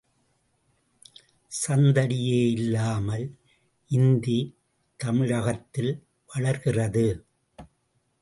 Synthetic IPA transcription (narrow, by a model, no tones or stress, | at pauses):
sɐnd̪ɐɽɪjeːɪlːaːmɐl | ʔɪnd̪i | t̪ɐmɪɻɐɣɐt̪ːɪl | ʋɐɭɐɾɣɪrɐðɯ